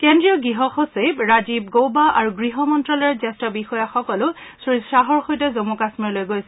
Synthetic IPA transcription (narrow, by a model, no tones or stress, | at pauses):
kɛndɹijɔɡɹiɦɔxosebɹazib̚ɡowbaʔaɹuɡɹiɦɔmɔntɹɔlɛɹzɛstɔbixɔjaxɔkɔlʊsisɹaɦɔɹxojtɛzomukasmiɹlojɡojsɛ